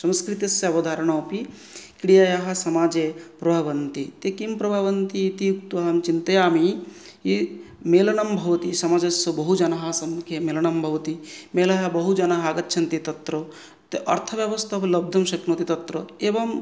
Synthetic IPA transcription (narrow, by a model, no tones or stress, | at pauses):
sɐ̃nskɾit̪jɐsjɐɐbɐd̪ʱaːɾɐɳ̃ɐpi | kɽijajaɦɐ̆sɐmaːd͡ʒepɾɐbʱaʋɐnt̪it̪ekimpɾɐbʱaʋɐnt̪iːt̪ijukt̪ʋɐɦɐmt͡ʃint̪ɐjaːmi | i | meːlɐɳɐmbʱɐʋɐt̪isɐmaːd͡ʒɐsjɐbɐɦud͡ʒɐnɐɦɐsɐmːukʰjemeːlɐɳɐmbʱɐʋɐt̪imeːlɐɦɐbɐɦud͡ʒɐnɐɦɐːɡɐtːʃʰɐnt̪it̪ɐt̪ɾɐ | t̪eʔɐ̰ɾt̪ʰɐʋjɐʋɐst̪ʰɐplɐb̚d̪ʱɐmʃɐknoːt̪it̪ɐt̪ɾɐeːʋɐm